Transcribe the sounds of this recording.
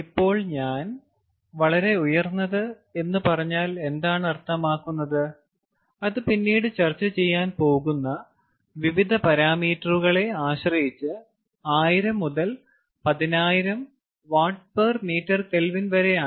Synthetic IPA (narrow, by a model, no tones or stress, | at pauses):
ipːo̞ːɭɲaːn | ʋɐɭɐɾe̞ujɐrnːɐðɨ | e̞nːɨpɐrɐɲːaːle̞nd̪aːɳɨɐrt̪ʰːɐmaːkːunːɐðɨ | ɐðɨpinːiːɽɨt͡ɕɐrt͡ɕːɐt͡ɕe̞jːaːnpo̞ːɣunːɐ | ʋiʋid̪ʱɐpɐɾaːmiːtːɐruɣɐɭe̞aːɕrɐjit͡ɕːɨ | aːjiɾɐmːuðɐl | pɐðinaːjiɾɐm | ʋaːʈ̚permiːtːɐrkelʋinʋɐɾe̞aː